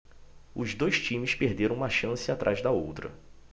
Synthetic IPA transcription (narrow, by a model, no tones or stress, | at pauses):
ʊzd̪ojʃt͡ʃĩmɪspeɾd̪eɾɐ̃w̃ũmɐʃɐ̃sɪat̪ɾʔajzd̪ɐowt̪ɾɐ̰